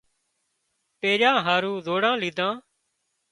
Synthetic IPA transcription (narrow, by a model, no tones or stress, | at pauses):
peːɾjãːɦaːɾũːzoːɽãːliːd̪ãː